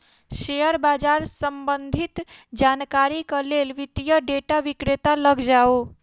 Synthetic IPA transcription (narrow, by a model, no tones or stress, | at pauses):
ʃejəɾbad͡ʒaɾsəmbənd̪ʱit̪d͡ʒankaɾikəlelʋit̪ijəɖeʈaʋikɾet̪aləɡd͡ʒao